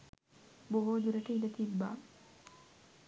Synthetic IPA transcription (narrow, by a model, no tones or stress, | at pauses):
boɦoːd͡ʒ̪uɾɐʈəidət̪ibːa̰ː